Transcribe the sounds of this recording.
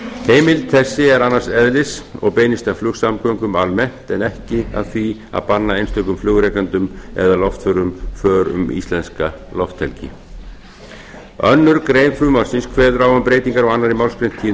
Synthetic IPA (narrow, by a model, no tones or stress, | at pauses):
heːjmɪlt̪ʰɛsːɪɛɾanːarsɛðlɪsɔ̰ɣpeːjnɪst̪aflʏxsamkʰœŋkʏmalmɛn̥t̪ɛnɛhcɪa̰ðθvia̰ðpanːaejnst̪ʏkʏmflʏːɣɾɛjkant̪ʏmɛ̰ðalɔft̪fœɾʏmfœːɾʏ̰mḭːst̪ɛnska | lɔft̪ʰɛlcɪ̰ | œnːʏɾkɾejnflʏmaɾsinskʰvɛːðɾaːwampɾejt̪iŋkaɾɔɣanːaɾɪmawlskɾejn̥t̪ʰiː